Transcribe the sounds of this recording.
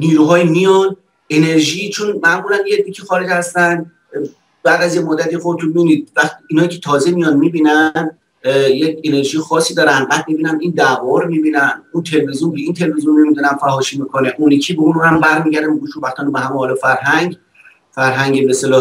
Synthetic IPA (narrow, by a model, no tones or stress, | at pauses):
niːɾuɦɒːjimijɒn | ene̞ɾʒiːt͡ʃʰonmæmɡulæmjeicʲʰixɒːɾed͡ʒhæst̪ænd̪ | bæːd̪æzjemod̪ːæt̪ʰixobet̪ʰunmiunid̪̚væxt̪iiːnɒːjicʰet̪ʰɒːzemijɒnmiːbiːnænd̪ | jecʰene̞ɾʒijexɒːsiːd̪ɒːɾænd̪̚bæːd̪̚mibiːnæmind̪ævɒːɾmiːbiːnænunt̪ʰelevezjunbeiːnt̪ʰe̞levezjunːe̞mid̪unænfæɦɒːʃiːmikʰoneʔunicʰibeũnuhæmbæɾmiːɟæɾd̪æmbeɡuːʃubæxt̪ɒːnobeɦæmeɒːlɔfæɾɦæŋɟ | fæɾɦæŋɟebest̪elɒː